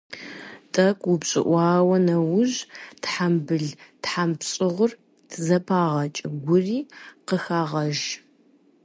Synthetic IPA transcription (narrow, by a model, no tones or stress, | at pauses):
tʼɐkʷʰʼʊpɕʼɪ̰ʔʷɑːwɐnɐwʊʑtħambɨɮtħampɕʼɪʁʷʊr | tʰzɐpʰaːʁɐt͡ʃʼɪɡʷʊriːqəxaːʁɐʒ